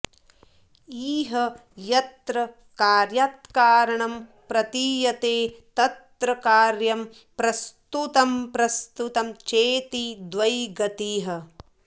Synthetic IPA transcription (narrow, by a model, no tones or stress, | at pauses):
iːɦɐjɐt̪ɾɐ | kaːɾjaːt̪kaːɾɐɳɐm | pɾɐt̪iːjɐt̪eːt̪ɐt̪ɾɐkaːɾjɐm | pɾɐst̪ut̪ɐmpɾɐst̪ut̪ɐmt͡ʃeːt̪id̪ʋɐjɡɐt̪iːɦɐ̆